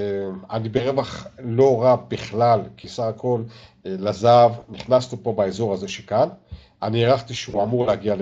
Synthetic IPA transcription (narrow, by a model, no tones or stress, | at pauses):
anibeʁevaχlo̞ʁabiχlalkʰisaχakʰo̞llazavniχnasnupobaezo̞ʁaze̞ʃekan | anieʁaχt̪iʃeuamuʁlehaɡial